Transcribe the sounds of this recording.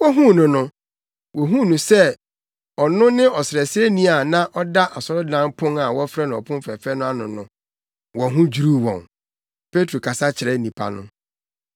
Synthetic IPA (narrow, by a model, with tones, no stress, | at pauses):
wɔ˦ɦũ˦˨nʊ̃˨nʊ̃˦ | wɔ˨ɦũ˦nũ˨sɛ˦ | ɔ˨nʊ̃˦nɪ̃˦ɔ˨sɪ˨ɾɛ˨sɪ˦ɛ˦nĩ˦a˨nã˦ʔɔ˦da˦ʔa˨sɔ˦ɾʊ˦dã˦mpʰʊ̃˦ŋa˨wɔ˦fɾɛ˦nʊ̃˨ɔ˨pʰʊ̃˦m˦fɾɛ˨fɛ˦nʊ̃˦a˦nʊ̃˨nʊ̃˨ | wɔ˨ɦũ˦d͡ʑu˦ɾu˦wɔ̰̃˨n | pʰe˦tʰɾo˨kʰa˨sa˦t͡ɕʰɪ˨ɾɛ˦˨˦nĩ˨pʰa̰˨nʊ̰̃˦